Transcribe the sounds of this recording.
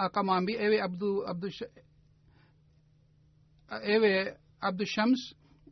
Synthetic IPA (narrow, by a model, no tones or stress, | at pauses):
ɐkɐmaːmbieːʋeɐbd̪uɐb̚d̪u | eːʋe | ɐb̚d̪uʃɐms